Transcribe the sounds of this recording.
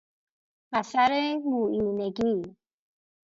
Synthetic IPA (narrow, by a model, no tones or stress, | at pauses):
masaɾemuʔiːneɡi